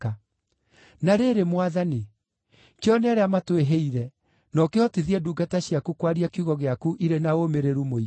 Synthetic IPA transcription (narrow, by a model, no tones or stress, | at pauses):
a | naɾeɾemwaðani | keɔnaɾeamatweɦeiɾɛ | nɔkeɔteðiɛduɡataɕjakukwaɾiakiuɣɔɣeakuʔiɾenaomeɾeɾumoi